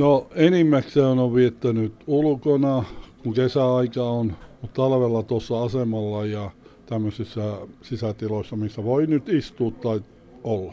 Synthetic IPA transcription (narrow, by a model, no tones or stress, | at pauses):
noenimːækseonoʋʋiet̪ːænyt̪ulkonɑkuŋkesæɑikɑonmut̪t̪ɑlʋelːɑt̪osːɑɑsemɑlːɑjɑt̪æmːøsisːæsisæt̪iloisːɑmisːæʋoinyt̪ist̪uːt̪tɑi | olːɑ